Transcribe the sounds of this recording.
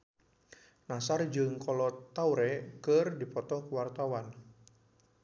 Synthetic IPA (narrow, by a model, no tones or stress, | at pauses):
nasard͡ʒɨŋkɔlɔt̪auɾɛkɨrdipɔt̪ɔhkuwart̪awan